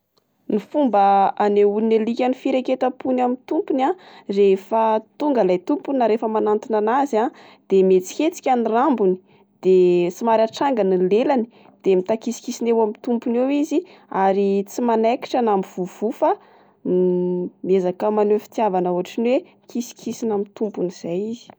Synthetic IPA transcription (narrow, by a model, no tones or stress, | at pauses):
nifumbəaneunelikʲanifiɾeket̪apunamit̪umpunarefət̪uŋɡalajt̪umpunaɾefəmanant̪inanaza | d̪̥emet͡si̥kʲet͡si̥kʲanirambuni̥ | d̪̥et͡simaɾaʈ͡ʂaŋɡanilelani | d̪̥emit̪akisi̥kisinewamit̪umpunewiziaɾit͡simanaki̥ʈ͡ʂanamiv̥uvufa | miezakəmanefi̥t̪javanauɦaʈ͡ʂinwe | kisi̥kʰisinamit̪umpuniz̥ajizi̥